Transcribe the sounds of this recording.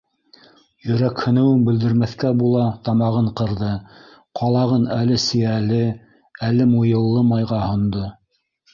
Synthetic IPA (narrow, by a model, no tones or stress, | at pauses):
jɵ̆ɾækhɵ̆nɘ̆wɘnbɘ̆ld̪ɘ̆ɾmæθkæbulˠɑt̪ɑmɑʁɤɴqɤ̆ɾðɤ | qɑlˠɑʁɤnælɘsɘ̆jælɘ | ælɘmujɤ̆lˠːɤmɑjʁɑhŏnd̪o